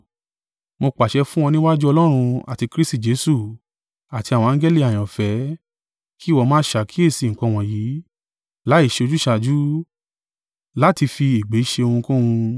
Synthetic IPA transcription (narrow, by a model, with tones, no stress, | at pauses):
mo˧k͡pa˨ʃɛ˧fũ˦w̃ɔ̃˧nĩ˦wa˦d͡ʒu˦ɔ˧lɔ˦ɾ̃ũ˧a̰˨ti˧kɾi˦sti˦˨d͡ʒe˨˦su˦˨ | a˨ti˧a˨wɔ̃˧ã˦ɡe˦li˦˨a˨j̃ɔ̃˨fɛ˨˦ | ki˦˨wɔ˧mãː˦ʃa˨kʰi˦e˦˨si˨ŋ̩˨kɔ̃˧w̃ɔ̃˨jiː˨˦ | la˨˦i˦˨ʃe˧o˧d͡ʒu˦ʃa˧d͡ʒu˦ | la˦ti˧fi˧i˨ɡ͡be˨˦i˦ʃe˧o˧hũ˧kũ˦ũ˧